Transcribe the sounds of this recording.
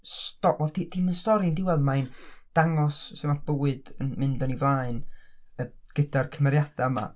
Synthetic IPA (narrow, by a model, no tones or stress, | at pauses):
stɔvɛlˠtʰidʰinmənstɔɾindɪwaðmaɨnd̥aŋɔssɛmab̥əwɨdənmɪndɔnivlˠaːɨnəɡ̥ədarkʰəmɛɾjad̥aəma̰